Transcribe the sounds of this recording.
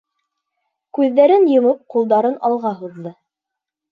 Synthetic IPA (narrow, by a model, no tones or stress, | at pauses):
kʉðːæɾɘnjɤ̆mɤp̚qulˠd̪ɑɾɤnɑlˠʁɑɦuðːɤ